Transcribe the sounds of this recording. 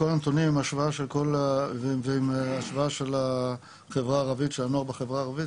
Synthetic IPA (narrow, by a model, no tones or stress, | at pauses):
kolant̪onimimaʃvaaʃelkol | veimaʃvaaʃe̞la | χevʁaːʁavitʃeanoaχbeχevʁaːʁavit